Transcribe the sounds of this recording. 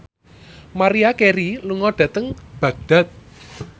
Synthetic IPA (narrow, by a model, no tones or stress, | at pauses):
maɾiakeɾiluŋɔɖ̥ä̤t̪əŋb̥ä̤ɡ̚d̪̥a̤t̪̚